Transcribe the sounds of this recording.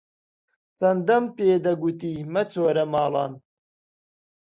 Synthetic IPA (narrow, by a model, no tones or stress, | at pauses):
t͡sɐnd̪ɐmpeːd̪ɐɡut̪iːmɐt͡sʰoːɾɐmɑːlˠɑ̰ːn